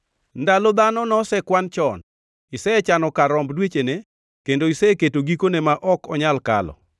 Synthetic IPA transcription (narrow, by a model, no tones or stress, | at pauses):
ndalɔd̪anɔnɔsɛkwant͡ʃɔn | isɛt͡ʃanɔkaɾɔmbdwet͡ʃene | kendoisɛketoɡikonemaʔɔkɔɲalka̰lɔ̰